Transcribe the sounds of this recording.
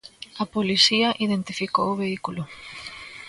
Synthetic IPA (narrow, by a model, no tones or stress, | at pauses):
ɐpolisiɐʔiðent̪ifikowʊβeikulʊ